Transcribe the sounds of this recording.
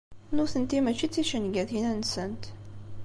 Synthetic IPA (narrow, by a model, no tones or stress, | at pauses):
nuθənt̪imæt͡ʃːit͡sːiʃənɡæθinænsənt̪